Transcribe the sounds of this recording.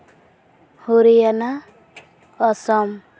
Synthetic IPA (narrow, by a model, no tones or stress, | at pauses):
huɾijana | ʌsʌm